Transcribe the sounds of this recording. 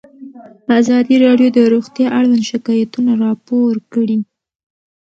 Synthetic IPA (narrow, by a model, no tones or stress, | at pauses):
azɑd̪iɾɑɖjod̪əɾuɣt̪jɑʔaɽwand̪ʃɪkɑjat̪unaɾɑpoɾkəɽi